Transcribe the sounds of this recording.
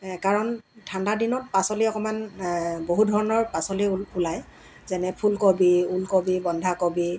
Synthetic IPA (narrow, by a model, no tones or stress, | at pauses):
kaɹɔn | tʰandadinɔt̚pasɔliɔkɔmanboɦudʱɔɹɔnɔɹpasɔliulaj | zɛnɛpʰulkobiulkobibɔndʱakobi